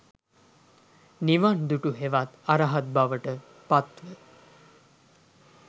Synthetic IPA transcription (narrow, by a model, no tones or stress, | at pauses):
niʋand̪uʈuɦeʋat̪aɾaɦat̪̚baʋəʈə | pat̪ʋə